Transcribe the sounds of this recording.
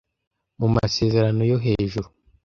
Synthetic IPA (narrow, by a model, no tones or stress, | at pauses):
muma̰se̞ːze̞ɾano̞jo̞ɦe̞ːʒuɾu